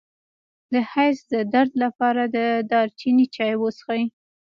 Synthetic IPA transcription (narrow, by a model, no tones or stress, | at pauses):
d̪əhajsd̪əd̪aɾd̪lapɑɾad̪əd̪ɑɾt͡ʃinit͡ʃɑjwosxai